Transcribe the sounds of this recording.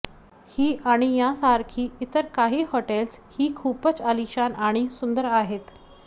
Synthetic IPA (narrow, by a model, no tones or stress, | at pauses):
hiːaɽ̃ijasaɾkʰiːit̪əɾkaɦiːhoʈelshiːkʰuːpət͡səliɕanaɽ̃isund̪əɾaɦet̪